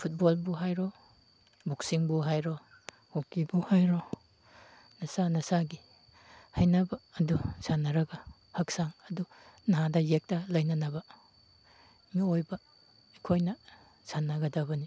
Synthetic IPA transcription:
pʰut̚bolbuɦajɾo | buk̚siŋbuɦajɾo | hokibuhajɾo | nɐsanɐsaɡi | hɐjnɐbɐːdusanːɐɾɐɡɐ | hɐk̚saŋɐdu | nɦadɐjek̚tɐlɐjnɐnɐbɐ | miojbɐ | ekʰojnɐ | sanːɐɡɐdɐβɐni

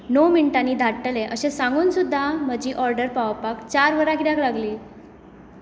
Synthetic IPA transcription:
nowmiɳʈaniːd̪ʱaʈːəlẽʔəɕesãŋɡuːnsud̪ʱːam̤əd͡ʑiːʔɔɾɖəɾpaʋpakt͡ɕaɾʋəɾakiɽjãklaɡliː

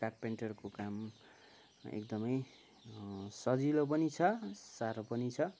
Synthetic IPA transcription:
kaʈ̚peɳʈʌrkokam | ḛk̚d̪ʌmʌj | sʌd͡zilop̬ʌnit͡sʰʌsaɾopʌnit͡sʰʌ

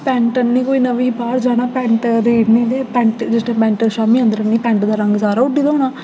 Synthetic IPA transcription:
pɛ̃ːɳʈənnĩːkoːiːnəʋiːbaːɾd͡ʒaːɽ̃aːpɛ̃ːɳʈɾeːʈnĩːleːpɛ̃ːɳʈd͡ʒɪsʈẽːpɛ̃ːɳʈəɾʃaːmiːə̃nd̪əɾəniːpɛ̃ːɳʈd̪aːɾəŋɡsaːɾaːʊɖiːd̪aoːnaː

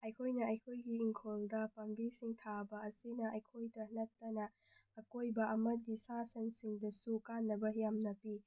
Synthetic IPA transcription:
ɐjkʰojnɐɐjkʰojɡiːŋkʰoldɐpɐmbisiŋtʰabɐɐsinɐʔɐjkʰojdɐnɐttːɐnɐː | kojbɐʔɐmɐdisasɐnsiŋdɐsukanːɐbɐjamnɐpi

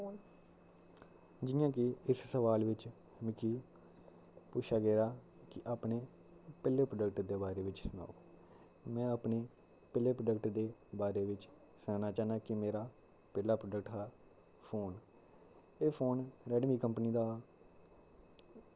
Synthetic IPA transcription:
n | d͡ʒɪːjãːkɪɪssəʋaːlʋɪt͡ʃ | mɪkiː | pʊʃʰaːɡɛːɾaː | kɪʔaːpneː | pɛːlːeːpɾoɖəkʈd̪eːbaːɾeːʋɪt͡ʃsʊna̰ːoː | mɛ̃ːaːpneː | pɛleːpɾoɖəkʈd̪eːbaːɾeːʋɪt͡ʃ | sãːnaːt͡ʃaːnaːkɪmeːɾaː | pɛːlaːpɾoːɖəkʈɦɛː | pʰoːn | eːpʰoːnɾɛːɖʋiːkəmpniːd̪aː

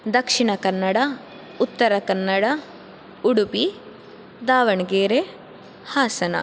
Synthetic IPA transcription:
d̪ɐkʂiɳɐkɐnːɐɽɐ | ut̪ːɐɾɐkɐnːɐɽɐ | uɽupi | d̪aːʋɐɳɡeːɾe | haːsɐnɐ̰

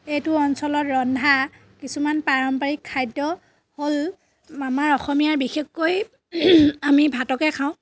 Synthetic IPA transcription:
ejtʊɔnsɔlɔtɹɔndʱa | kisumanpaɹɔmpaɹikʰːajdɔ | hol | amaɹɔxɔmijaɹbixexːoj | amibʱatɔkɛkʰaʊ̃

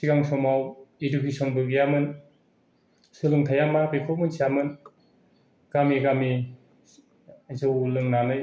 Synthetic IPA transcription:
siɡaŋsɔmawedukʰesɔnbɯɡijamɯn | sɯlɯŋtʰajamabekʰɔmɯnsiamɯn | ɡ̥amiɡami | zɯwlɯŋnanɯj

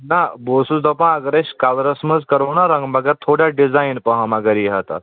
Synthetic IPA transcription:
nabosud̪ɔpəɳaɡɾeɕkalɾəsməd͡zkəɾonaɾə̃ŋɡməɡat̪ʰoɽjaɖid͡zajnpəɦãmaɡaɾiɦat̪a̰

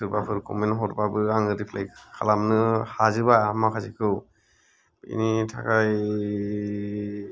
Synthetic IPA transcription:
ɯɾbapʰɯɾkʰɔ̰menɦɔɾbabɯaŋɯɾipʰlɛkkʰːa̰lamnɯhazɯbaamakʰazikʰɯw | ḭnitʰa̰kaj

